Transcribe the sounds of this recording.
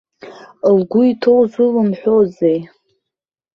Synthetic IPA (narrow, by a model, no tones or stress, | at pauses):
lɡʷʊitʰowzɨlɨmħʷᶣozej